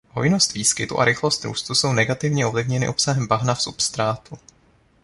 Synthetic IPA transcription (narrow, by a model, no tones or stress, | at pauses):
hojɪno̞st̪viːskɪt̪ṵʔa̰ɾɪxlo̞st̪ɾṵːst̪uso̞wnɛɡat̪ɪvɲɛo̞vlɪvɲɛnɪ̰ʔo̞psaɦɛmbaɦnafsupst̪ɾaːt̪u